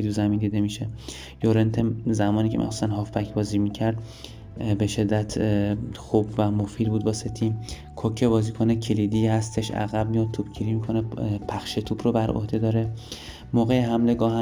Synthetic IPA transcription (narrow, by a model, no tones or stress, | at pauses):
d̪uzæmind̪iːd̪e̞miʃe | joɾent̪ʰezæmɒːniːcʰemʔḭxso̥st̪ænɦɒːfpʰækʰbɒːziːmicʰæɾd̪ | be̞ʃe̞d̪ːæt̪ʰxubvæmofiːd̪buːd̪̚bɒːset̪ʰiːm | kʰocʰe̞bɒːziːkʰonecʰeliːd̪ihæst̪e̞ʃæ̰ɣæb̚mijɒd̪̚t̪ʰuːb̥cʰiɾimikʰonepʰæxʃet̪ʰuːbɾobæɾʔo̰hd̪e̞d̪ɒːɾe̞ | moːɣejeɦæmle̞ɡɒːhæ